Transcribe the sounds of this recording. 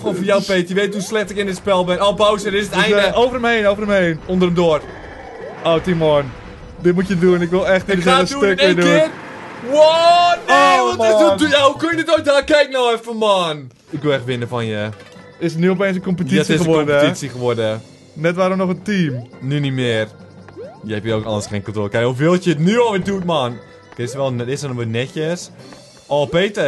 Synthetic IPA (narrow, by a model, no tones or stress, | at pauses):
xoːfəjawpetjəʋeːthuslɛxtɪkɪnətspɛlˠbɪnɔbawsəɾɪsətɛjndəowvərəmhejnowvərəmhejnondərəmdoər | owtimɔn | dɪt̚mutjəduənɪkʋɪlˠɛxtdəsɛaəsdutøkɪduɪət | wɔ | uduɛhukønjədɪtojdaːkɛjk̚noɛfɔman | ɪk̚ʋɪlˠɛxtʋɪnəfɔnjə | ɪsənyopeːnsəkompətisədtisixəʋɔrd | nɛtʋaːɾomnɔxəntiːmnynimɪːr | jəɛpjəoːkɔ̰ndəsxeːnkɔntoːtkajufɪlˠtətnyɔʋɪdut̚maːn | kɛsəʋɛlˠndɪsənəʋənɛçəs | ɔpeːtə